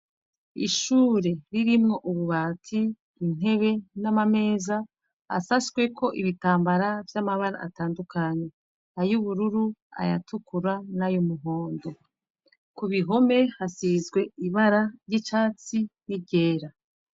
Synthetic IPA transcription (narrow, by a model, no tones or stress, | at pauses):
ḭʃuːɾe̞ɾiɾimŋo̞ʔuβuβaːtʰiː | n̥ɦe̞βe̞namame̞ːza | a̰sasɡwe̞kʰo̞ʔiβitaːmbaɾavjamaβaɾa̰ʔːtaːndukʰaɲe̞ | ajuβuɾuɾua̰ja̰tukuɾanajumuɦo̞ːndo̞ | kuβiɦo̞me̞hasizɡwe̞iβaɾaɾjit͡ʃaːt͡sinibɟe̞ːɾa